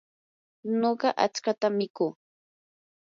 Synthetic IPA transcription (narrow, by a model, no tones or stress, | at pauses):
noɢɑʔa̰t͡skat̪amɪkʊː